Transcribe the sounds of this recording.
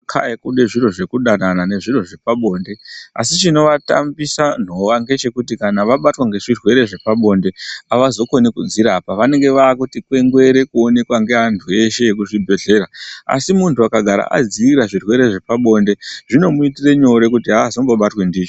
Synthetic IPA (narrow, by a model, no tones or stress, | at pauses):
kʰa̰ekuɗe̞ʐiro̞ʐe̞kuɗananane̞ʐiro̞ʐe̞paɓo̞ːnde̞a̰sit͡ʃino̞ʋata̰mbisan̤o̞ʋaŋɡe̞t͡ʃe̞kutikanaʋaɓatwaŋɡe̞ʐirwe̞ɾe̞ʐe̞paɓo̞nde̞aʋazo̞ko̞nekud͡ziɾapaʋane̞ŋɡe̞ʋaːkutikwe̞ŋɡwe̞ɾe̞kuo̞ne̞kwaŋɡe̞ɦantʰue̞ʃe̞jek̬uʐibʱe̞ɮe̞ɾaa̰simuntʰuakaɡʱaɾa̰ʔa̰d͡ziiɾaʐirwe̞ɾe̞ʐe̞paɓo̞nde̞ʐino̞muitire̞ɲo̞ɾe̞kutiɦaːzomboɓatwe̞ndiːt͡ʃo